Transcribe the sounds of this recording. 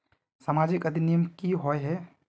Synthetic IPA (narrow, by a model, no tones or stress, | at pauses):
samaːd͡ʒɪkɐd̪ʱinijəmkiɦoeɦɛ